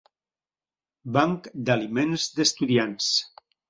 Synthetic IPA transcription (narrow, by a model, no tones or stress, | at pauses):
baŋkd̪alimẽnzd̪əst̪uðians